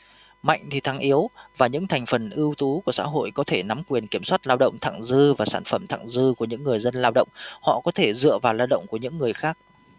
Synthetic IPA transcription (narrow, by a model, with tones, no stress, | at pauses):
ma̰˧˨jŋ̟t̪ʰi˨˩t̪ʰa˨˦ŋʔi˨˦əwvaː˨˩ɲɨ̰˧˥ŋt̪ʰɛ˨˩ŋ̟fə˨˩nʔɨ˧əwt̪u˨˦ku˧˩əsa̰ː˧˥ɦo̰˧˨jkɔ˨˦t̪ʰe˧˩na˨˦mkwi˨˩ənki˧˩əmswaː˦˥t̚laː˧wɗə̰˧˨wŋ͡mt̪ʰa̰ː˧˨ŋzɨ˧vaː˨˩sa̰ː˧˩nfə˧˩mt̪ʰa̰ː˧˨ŋzɨ˧ku˧˩əɲɨ̰˧˥ŋːɨ˨˩əjzə˧nlaː˧wɗə̰˧˨wŋ͡mhɔ̰˧˨kɔ˨˦t̪ʰe˧˩zɨ̰˧˨əvaː˨˩wlaː˧wɗə̰˧˨wŋ͡mku˧˩əɲɨ̰˧˥ŋːɨ˨˩əjxaː˦˥k̚